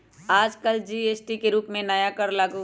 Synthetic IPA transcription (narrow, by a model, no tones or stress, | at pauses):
aːd͡ʒkəld͡ʒiːeːsʈikeɾuːpmẽnajakəɾlaːɡu